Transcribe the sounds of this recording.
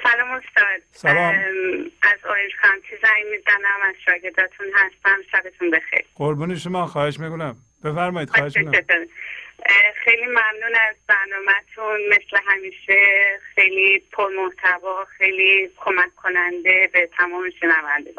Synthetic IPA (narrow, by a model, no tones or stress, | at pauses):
sælɒːmost̪ɒːd̪̥̚sælɒːʔæzojend͡ʒxænt̪ʰizæjmizænæmæz̥ʃɒːɟe̞ɾd̪ɒːt̪ʰunɦæst̪æmʃæbet̪ʰunbe̞xḛjɾɢoɾbuːneʃomɒːxɒːheʃmikonæm | b̥efæɾmɒːiːd̪eʃeoi | xejlimæmnuːnæzbæɾnɒːmæt̪ʰunme̞sleɦæmiːʃexe̞jliːpʰoɾmo̞ht̪ʰæbɒːxejlikʰomækʰːo̞nænd̪e̞bet̪ʰæmɒːmeʃenævænd̪eɡ